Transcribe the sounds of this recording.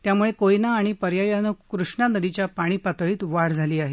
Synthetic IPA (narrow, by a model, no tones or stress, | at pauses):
t̪jamuɭekojnaːɽ̃ipəɾjajanəkɾuʂɳanəd̪it͡ɕjapaɽ̃iːpat̪ɭiːt̪ʋaɽd͡zʱaliːaɦe